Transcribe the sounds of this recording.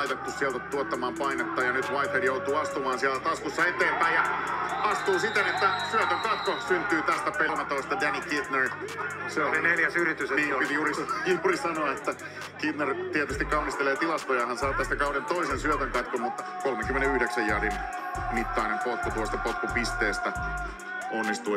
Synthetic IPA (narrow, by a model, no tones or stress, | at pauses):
it̪et̪ːussiælt̪æt̪uot̪ːɑmɑːmpɑinet̪ːɑːjɑnyt̪ʋɑit̪hedjout̪uːɑst̪umɑːnsiælæt̪ɑskusːɑet̪eːmpæijjɑɑst̪uːsit̪enet̪ːæsyøt̪øŋkɑt̪kokssynt̪yːt̪æst̪æpelmet̪oist̪ɑdænikit̪ner | seoseneljæsyɾit̪ːysenipit̪iurisiurisɑnoɑet̪ːæ | kit̪nert̪iɛt̪yst̪ikɑunist̪eleːt̪ilɑst̪ojɑhɑnsɑːt̪æst̪ækɑuɾent̪oisensyøt̪øŋkɑt̪kommut̪ːɑkolmeŋkymːeneyhdeksæjjædin | mit̪ːɑːinempot̪ːut̪uɑst̪ɑpot̪ːupist̪eːst̪æ | onːist̪uː